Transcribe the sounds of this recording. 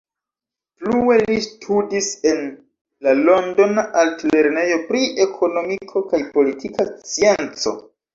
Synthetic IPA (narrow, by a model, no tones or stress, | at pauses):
plue̞listʰudise̞n | lalo̞ndo̞naʔaltle̞ɾne̞jo̞pɾiʔe̞kʰo̞no̞mikʰo̞kajpo̞litʰikat͡sient͡so̞̰